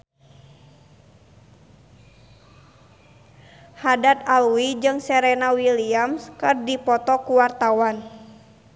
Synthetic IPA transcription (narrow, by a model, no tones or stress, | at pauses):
hadat̪aluid͡ʒɨŋsɛɾɛnawiliamskɨrdipɔt̪ɔkuwart̪awan